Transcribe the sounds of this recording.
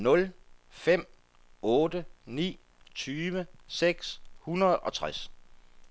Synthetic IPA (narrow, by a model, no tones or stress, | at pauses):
nɔ̽lfem̰ | ɔːdənḭː | t͡sʰyːʋəseɡ̥shunɐð̩ˠɒ̽t͡sʰʁas